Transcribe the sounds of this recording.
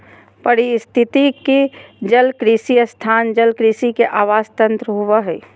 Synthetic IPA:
pəɾist̪ʰɪt̪ikid͡ʒəlkɾiːsijəst̪ʰaːnd͡ʒəlkɾiːsikeʔaːʋaːst̪ə̃nt̪ɾəɦoʋəɦɛː

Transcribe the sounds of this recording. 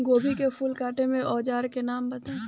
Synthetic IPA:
ɡoːbʱikefʰʊlkaːʈemẽʔɔːd͡ʒaːɾkenaːmbɐt̪a

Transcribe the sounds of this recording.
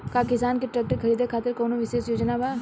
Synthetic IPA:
kakɪsaːnkiʈɾɛːk̚ʈəɾkʰɐɾiːd̪ʱekʰaːt̪ɪɾkɔːnoʋɪʃeːsjoːd͡ʒnabʱaː

